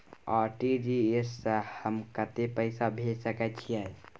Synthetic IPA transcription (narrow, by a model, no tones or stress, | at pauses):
aɾʈid͡ʒiesəhəmkət̪epəɪsabʱelsəkɛt̪t͡ʃʰiɛ